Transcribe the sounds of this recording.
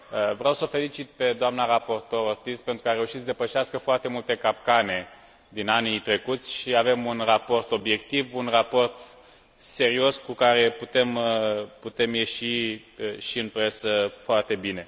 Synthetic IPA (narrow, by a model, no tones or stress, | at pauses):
əvɾeawsəofe̞lit͡ʃit̪̚pe̞d̪oamnaɾapo̞rt̪o̞ɾort̪ist̪̚pent̪ɾukəaɾe̞uʃit̪səd̪epəʃiaskəfoart̪e̞mult̪e̞kap̚kane̞ | d̪inanit̪ɾe̞kut̪sʲʃiave̞munrapo̞rt̪o̞bje̞kt̪ivunrapo̞rt̪ | se̞ɾio̞skukaɾe̞put̪e̞mput̪e̞mje̞ʃi | ʃiɨnpɾe̞səfoart̪e̞bine̞